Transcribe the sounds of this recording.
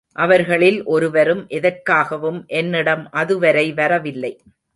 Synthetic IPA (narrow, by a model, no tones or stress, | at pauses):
ʔɐʋɐɾɣɐɭɪlʔɔɾɯʋɐɾɯmʔɛðɐɾkaːɣɐʋɯmʔɛnːɪɽɐmʔɐðɯʋɐɾɐɪʋɐɾɐʋɪlːɐɪ